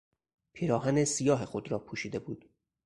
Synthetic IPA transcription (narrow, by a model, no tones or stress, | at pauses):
pʰiɾɒːɦænesijɒːɦexod̪ɾɒːpʰuːʃiːd̪e̞buːd̪̥